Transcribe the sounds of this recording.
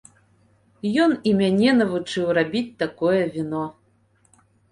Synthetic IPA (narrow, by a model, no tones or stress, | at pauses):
jɔnimʲanʲɛnɐvut͡ʂɨwrabʲit͡sʲt̪akɔjɛvʲinɔ